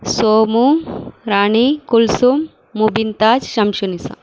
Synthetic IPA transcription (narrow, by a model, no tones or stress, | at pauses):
soːmuɾaːɳikulsumː | ubint̪aːd͡ʒʃɐmʃunisɐ̰